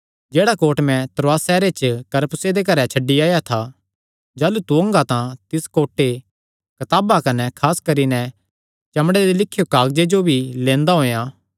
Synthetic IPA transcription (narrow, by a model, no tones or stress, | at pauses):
d͡ʒeːɽakoːʈmɛ̃t̪ɾoaːsɛːɾet͡ʃkɐɾpsed̪ek̬ɐɾɛt͡ʃʰɐɖːiaːjat̪ʰa | d͡ʒaːlut̪uɐ̃ŋɡat̪ãt̪ɪskoːʈːe | kɐt̪aːbakɐnɛkʰaːskɐɾinɛ | t͡ʃɐmɽed̪ilɪkʰːjokaːɡd͡ʒed͡ʒobʱilẽːnd̪aɦoːjaː